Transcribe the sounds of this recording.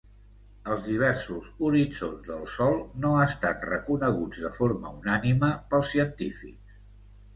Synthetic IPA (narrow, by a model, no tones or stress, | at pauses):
əlˠzðiβ̞ɛɾsuzuɾid͡zo̰nzðəlˠsɔlˠnoast̪at̪rəkunəɣ̞ud͡zðəfoɾmə̰unaniməpəlˠsiənt̪ifḭks